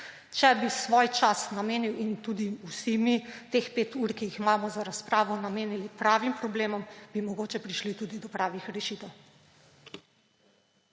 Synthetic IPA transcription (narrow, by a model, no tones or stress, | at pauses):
t͡ʃɛbisʋoːjt͡ʃasnameːniwint̪ud̪iusimit̪expeːt̪uɾkijixmaːmɔzaɾaspɾaːʋɔnameːnilipɾaːʋimpɾɔbleːmɔmb̥imɔɡoːt͡ʃɛpɾiʃlit̪ud̪id̪ɔpɾaːʋixɾɛʃit̪ɛw